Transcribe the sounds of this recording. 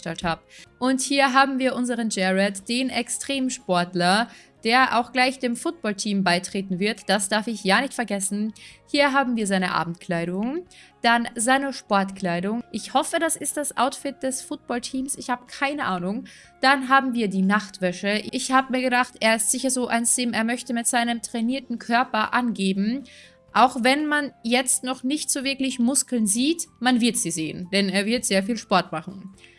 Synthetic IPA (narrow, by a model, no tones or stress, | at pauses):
ʃtɛlthaːbʔʊnthiːɐɦaːbm̩viːɐʔʊnzəʁənd͡ʒɛʁɛtd̥eːnʔɛkstʁ̥eːmʃpɔɐtlɐ | d̥eːɐʔa̰ʊxɡ̥laɪçd̥eːmfʊt̚b̥ɔltʰiːmbaɪtʁ̥eːtn̩vɪɐtd̥asd̥aɐfɪçjaːnɪçtfɛɐɡɛsn̩hiːɐɦaːbm̩viːɐzaɪnəʔa̰ːbm̩tkl̥aɪɾʊŋd̥anzaɪnəʃpɔɐtkl̥aɪɾʊŋʔɪçhɔfəɾasɪst̚d̥asʔa̰ʊtfɪt̚d̥ɛsfʊt̚b̥ɔltʰiːmsɪçhaːbəkʰaɪnəʔaːnʊŋ | d̥anɦaːbm̩viːɐdiːnaχtv̥ɛʃəʔɪʔɪçhaːbəmiːɐɡədaχtʔeːɐɪstz̥ɪçɐzoːʔa̰ɪnsz̥eːmeːɐmœçtəmɪtz̥aɪnəmtʁ̥ɛniːɐtn̩kʰœɐpɐʔanɡeːbm̩ | ʔaʊxvɛnmanjɛt͡stnɔχnɪçtz̥oːvɪɐklɪçmʊskl̩nziːtmanvɪɐtz̥iːzeːənd̥ɛneːɐvɪɐtz̥eːɐfiːlʃpɔɐtmaχn̩